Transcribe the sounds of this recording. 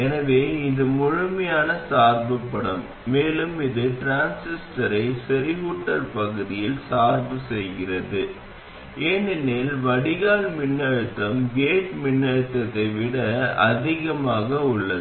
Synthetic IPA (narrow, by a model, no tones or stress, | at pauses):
ɛnɐʋeːɪðɯmʊɻʊmɐjaːnɐsaːɾbɯpːɐɽɐmː | eːlɯmɪðɯʈɾaːnsɪsʈɐɾɐɪsɛɾɪɣuːʈːɐlpɐɣɯðɪjɪlsaːɾbɯsɛjɣɪrɐðɯ | eːnɪnːelʋɐɽɪɣaːlmɪnːɐɻɯt̪ːɐmɡeːʈmɪnːɐɻɯt̪ːɐt̪ːɐɪʋɪɽɐɐ̰ðɪɣɐmaːɣɐʊɭːɐð